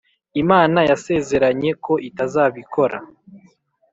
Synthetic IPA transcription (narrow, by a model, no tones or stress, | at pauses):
imaːnajase̞ːze̞ɾaɲe̞kʰo̞ʔitazaːβikʰo̞ɾa̰